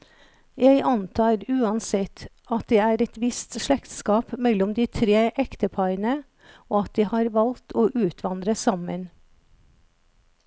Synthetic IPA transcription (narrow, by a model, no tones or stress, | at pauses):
jæɪʔɑnt̪ʰɑːɾʉːɑnsɛt̪ | ɑt̪̚d̪eːæːɾɛt̪ʋɪst̪ʃɭɛkt̪skɑːpmɛlːɔmd̪iːt̪ʰɾeːʔɛkt̪əpʰɑɪɾənə | oːɑt̪̚d̪iːhɑːɾʋɑlt̪ʰoːʔʉːt̪ʰʋɑnd̪ɾəsɑmən